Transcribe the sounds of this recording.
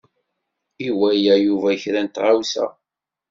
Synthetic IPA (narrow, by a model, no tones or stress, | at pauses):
iwæjæjuvæçɾænt̪ʁawsæ̰